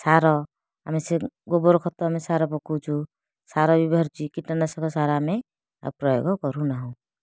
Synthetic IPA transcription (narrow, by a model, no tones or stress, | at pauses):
saɾɔ | a̰meseɡobɔɾkʰɔt̪ɔamesaɾɔpɔkut͡ʃʰu | saɾɔbibɔɾd͡ʒikiʈanasɔkɔsaɾame | a̰b̚pɾɔjo̰ɡɔkɔɾunaɦɔ̃